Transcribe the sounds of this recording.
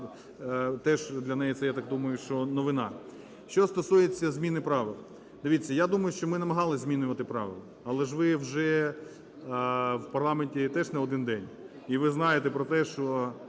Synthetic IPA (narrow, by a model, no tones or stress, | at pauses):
t̪ɛʒd̪lʲɐnɛjit̪sɛjat̪ɑk̚d̪umɐjʊʃt͡ʃɔnɔʋɪnɑ̰ | ʃt͡ʃɔst̪ɔsujet͡sʲːɐzʲmʲinɪpɾɑʋɪlˠɐ | d̪̥ɪʋʲit͡sʲːɐjad̪umɐjʊʃt͡ʃɔmɪnɐmɐɦɑlˠɪzʲmʲinʊʋɐt̪ɪpɾɑ̰ʋɪlˠɐ | ɐlˠɛʒʋɪwʒɛ | wpɐrlˠɑmenʲtʲit̪ɛʒnɛɔd̪ɪnd̪ɛnʲ | iʋɪznɑjet̪ɛpɾɔt̪ɛʃt͡ʃɔ